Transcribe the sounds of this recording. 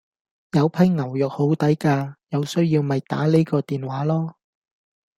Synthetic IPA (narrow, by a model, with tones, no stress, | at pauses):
jɐ˨˧wpʰɐ˨˥jŋɐ˨˩wjœː˨k̚ho˨˥wt̪ɐ˨˥jkaː˧jɐ˨˧wsɵ˥ɥjiː˧wmɐ˨jt̪a̰ː˨˥le˥kɔː˧t̪iː˨nwaː˨˥lɔː˥